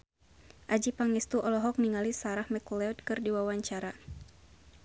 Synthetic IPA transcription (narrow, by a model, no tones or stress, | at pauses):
ʔad͡ʒipaŋist̪uʔɔlɔɦɔk̚niŋalisaɾahmɛkɔlɛɔt̪̚kɨrdiwawaɲt͡ʃaɾa